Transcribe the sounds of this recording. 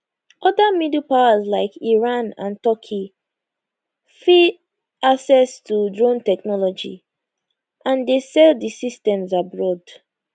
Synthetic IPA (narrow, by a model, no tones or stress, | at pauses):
ʔɔdamidupawazlaɪkiɹãnã̰ntɔkʰi | fi | asɛstʰudɹõntɛknɔlɔd͡ʒḭ | ʔãndesɛldisistɛ̃mzabɹɔd